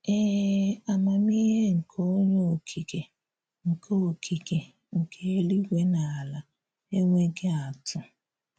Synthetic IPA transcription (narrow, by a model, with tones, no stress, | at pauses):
e˦a˨ma˨mi˦ɦe˦ŋ̩˨kʰo˦ɲo˦o˨kʰi˨ke˨ | ŋ̩˨kʰo˦o˨kʰi˨ke˨ | ŋ̩˨kʰe˦e˦li˦ɡʷe˦na˨la˨ | e˦ŋʷe˦ɡe˦a˨tʊ˨